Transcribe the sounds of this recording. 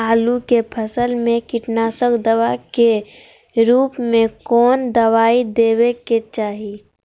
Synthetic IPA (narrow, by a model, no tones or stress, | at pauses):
aːlukepʰəsəlmẽkɪʈnaːsəkd̪əwake | ɾuːpmẽkɔːnd̪əʋaːid̪eːweket͡ʃaːɦi